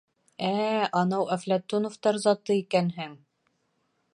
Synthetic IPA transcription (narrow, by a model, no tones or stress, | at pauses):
æɒnɑwæflæt̪ːunŏft̪ɑɾzɒt̪ɤikænɦɘŋ